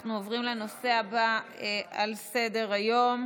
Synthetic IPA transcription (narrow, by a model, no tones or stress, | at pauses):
χnuovʁimleno̞se̞aba | alse̞de̞ʁajo̞m